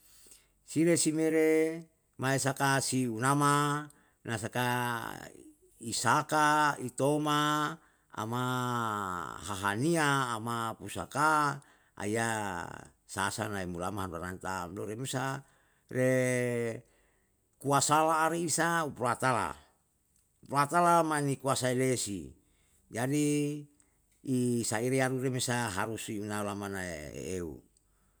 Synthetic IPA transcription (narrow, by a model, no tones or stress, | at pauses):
siɾesimeɾe | maesakasiunama | nasaka | isakait̪oma | a̰ma | ɦaɦaniaːmapusa̰ka | a̰ia | sa̰sa̰naemulamaɦanduaɾant̪amdoɾemesa | re | kuasalaːɾiːsauploat̪ala̰ | uploat̪alamanikuasailesḭ | d͡ʒadi | saiɾeaɾuɾemesaɦaɾusiunaulamanaḛḛeṵ